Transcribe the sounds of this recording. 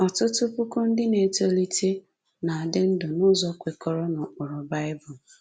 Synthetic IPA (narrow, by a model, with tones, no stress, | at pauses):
ɔ˨tʊ˦tʊ˦pʊ˦kʊ˦n̩˦dɪ˦ne˨to˦li˦te˦ | na˨a˨dɪ˦n̩˦dɔ˨nʊ˦zɔ˨˦kʷe˨kɔ˨ɾɔ˦na˨ʊ˨ɾɔ˨ba˦ɪ˦bʊ˨l